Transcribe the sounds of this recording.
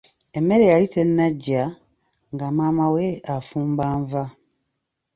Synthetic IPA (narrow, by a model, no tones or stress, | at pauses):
e̞mːe̞ɾejalite̞nːaɟːa | ŋɡamamawe̞afuːmbaːɱva